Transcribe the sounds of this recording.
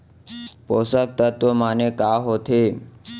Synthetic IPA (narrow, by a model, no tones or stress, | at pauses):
posak̚t̪ət̪omanekaːɦot̪ʰe